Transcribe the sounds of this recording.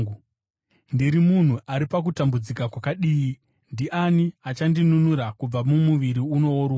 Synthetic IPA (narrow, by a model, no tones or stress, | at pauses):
ndiɾimun̤uʔaɾipak̬utambud͡zikakwakaɗiːi | ndiʔaniat͡ʃandinunuɾakub͡vamumuʋiɾiuno̞oɾu